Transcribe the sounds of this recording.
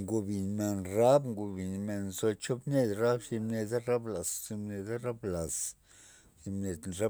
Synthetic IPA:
ŋɡu˧bi˨nme˨nɾa˦bŋɡu˧bi˨nme˨nzo˧t͡ʃo˦bne˦d̪ɾa˦bsi˧mne˧d̪a˦ɾa˦bla˨ssi˧mne˧d̪a˦ɾa˦bla˨s | si˧mne˨d̪nɾa˦

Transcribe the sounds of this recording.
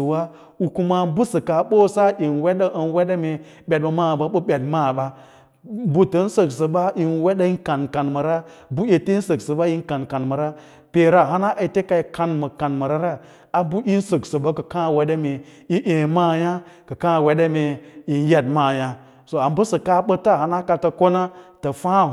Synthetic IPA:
ə˨wa˦ | u˨ku˦ma˦˨bu˦sə˨ka˨ɓo˦sa˦ʔi˨nwe˦ɗa˦ʔə˨nwe˦ɗe˦me˨ | ɓʲe˨d̚bə˨ma˦˨ba˦ɓə˦ɓe˨dma˦˨ɓa˦ | bu˦tə˦n̩˦sə˨ksə˨ba˦i˨nwe˦ɗa˦i˦ka˨nka˨nmə˨ɾa˦ | bu˦je˨te˦n̩˦sə˨ksə˨ɓa˦i˦n˦ka˨nka˨nmə˨ɾa˦ | pe˨ɾa˨ɦa˦na˦ʔa˨i˨te˦ka˨i˨ka˨˦nmə˨ka˨nmə˨ɾa˦ɾa˦ | a˨bu˦ʔi˦n˦sə˨ksə˨ba˦kə˨kã˦˨we˦ɗe˦me˨ | i˦ʔẽ˨maː˦˨ja˦ | kə˨kã˦˨we˦ɗe˦me˨i˨nje˦dma˦˨ja˦ | so˨a˨m˦bə˦sə˨ka˦ɓə˦ta˦˨ha˨na˦ka˨ta˨ko˦na˦tə˨fã˦

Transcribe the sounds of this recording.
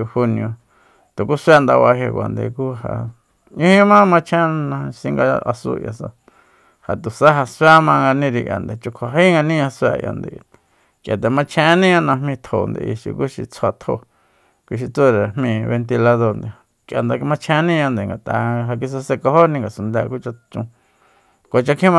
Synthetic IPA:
hu˧nĩ˧õ˧ | t̪o˨ku˦swa˦nd̪a̰˧βa˧ɦe˧kʷa̰˨nd̪ḛ˨ku˦ha̰˧˨ | ɲĩ˦hĩ˦mã˦mã˧t͡ʃʰẽ˦nã˧si˧ŋɡa˧a̰˧sṵ˧ja̰˨sa̰˧ | ha˨t̪u˨sa˦ɦa˧swa˦mã˧ŋɡa˧nĩ˦ɾi˧ʔja̰˨nd̪e˨t͡ʃu˧kʷʰa˨ɦi˦ŋɡa˧nĩ˦ã˧sʷa̰˧˨ja̰˨nd̪ḛ˨˧ | kjʔa˨t̪̬e˨mã˧t͡ʃʰẽ˧˦nĩ˦ã˧nã˧mĩ˧t̪ʰo̰˨nd̪ḛ˧ʔi˧ʃḭ˧ku˦ʃḭ˧t͡sʰa˧t̪ʰo̰˧ | kʷi˧ʃ̬i˧t͡su˦˧ɾe˨mĩ˧βe˧nt̪i˧la˧ðo˧ɾnd̪e˨ | kjʔa˨nd̪a˧mã˧t͡ʃʰẽ˧˦nĩ˦ã˧nd̪e˨ŋɡa˨t̪ʼa˧ɦa˧k̬i˧s̬a˧se˧ko˧ho˦nĩ˧ŋɡa˨su˧nd̪a˧ku˦t͡ʃa˧t͡ʃũ˧ | ko˨˧t͡ʃa˧kʰĩ˦mã˧

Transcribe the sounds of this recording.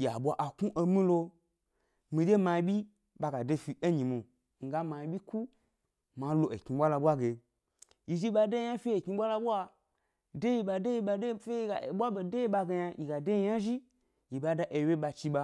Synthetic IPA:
ji˨a˨ɓʷa˨ʔa˨ku˦ʔo˧mĩ˦lo˧ | mi˧d͡ʒe˦ma˧i˧bʲi˦ | ɓa˧ɡa˨de˧fi˨e˦ɲi˨mo˨ | ŋ̩˨ɡa˦ma˧i˧bʲi˦ku˦ | ma˨˦lo˨ḛ˨kɲi˧ɓʷa˦la˧ɓʷa˦ɡe˨ | i˨ʒi˦ɓa˧de˦i˦˧ja˦fʲi˦e˨kʲi˧ɓʷa˦la˧bʷa˧ | de˦ji˧ɓa˧de˦ji˧ɓa˧de˦fe˦i˧ɡa̰˨ɓʷa˦be˧˨de˦ji˦ɓa˧ɡe˧ja˧ji˧ɡa˨de˦ji˧ja˦ʒi˦ | ji˨ba˧da˧˦ʔe˧˨we˦ɓa˧t͡ʃi˧ɓa˧

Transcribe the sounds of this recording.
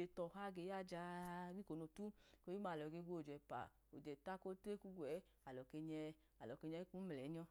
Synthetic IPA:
e˨˧tɔ˨ɦa˧ɡe˨˦ja˦˨d͡ʒa˧˦ɡʷi˦ko˨no˧tu˦ko˧˦ji˦ma˧˨lɔ˨ɡe˧˦ɡʷo˦˨d͡ʒɛ˨pa̰˨ | o̰˨d͡ʒɛ˨ta˦ko˦te˦ku˦ɡʷwɛ˨˦ | a˨lɔ˨ke˧ɲɛ˧ | a˨lɔ˨ke˧ɲɛ˧˦ku˦m˨lɛ˨˦ɲɔ˧

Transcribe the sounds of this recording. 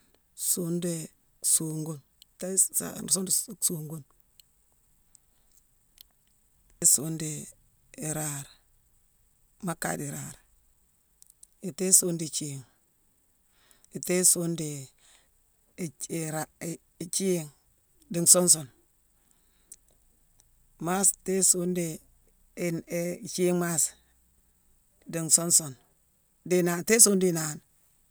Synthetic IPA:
su˨˦nde˨ | su˨ŋɡu˦n˨ | te˦sa̰˨so˦ndsu˨ŋɡu˦n | i˦su˨˦ndeː˨ | ɾa˨ɾ | ma˦ka̰˦˨di˨ɾa˨ɾ | i˨te˦su˦ndi˨t͡ʃi˦˨ŋ | i˨te˦su˦ndi˨ | i˨ɾa˨ | t͡ʃi˦˨ŋ | di˨ŋso˦ns̬o˨n | ma˦ste˦su˦nde˨ | t͡ʃi˦ŋma˦s | di˨ŋso˦nso˨n | di˨na˨nte˦su˦ndi˨na˨n

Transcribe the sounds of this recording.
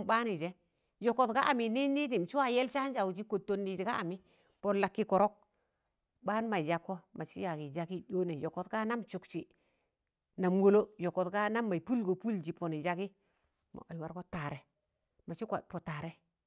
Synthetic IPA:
mba˦ni˨d͡ʒe˦ | jo˨ko˨tka˦ʔa˨mi˨ni˦ni˦ti˨m˨t͡ʃu˦wa˦je˦lt͡ʃa˦n˦d͡ʒa˨wd͡ʒi˦ko˨tːo˨nːi˨ti˨ka˦a˨mi˦ | po˨nla˨kːi˦ko˨ɾo˦k̚ | ɓa˦n˦ma˨i˨d͡ʒa˦kːo˦ma˨t͡ʃi˦ja˨ɡi˨d͡ʒa˨˦ki˦do˦ne˨jo˨ko˨tka˦na˦mt͡ʃu˨kt͡ʃi˨ | na˨mwo˦lo˦jo˨ko˨tka˦na˦mːa˨i˨pu˦lɡo˨pu˦ld͡ʒi˨po˨ni˨d͡ʒa˦ɡi˦ | ma̰˨a˨wa˦ɾko˦ta˨ɾe˨ | ma˨t͡ʃi˦ka˨po˨ta˨ɾe˦

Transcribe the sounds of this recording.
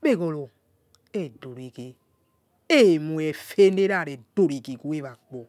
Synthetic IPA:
be˦˨ɡo˨lo˨ | e˦˨do˨ɾi˨ke˨ | e˦˨mu˨e˨fe˦ne˦ɾa˦˨ɾe˨do˨ɾi˨ki˨ku˦e˦va˨k͡po˨

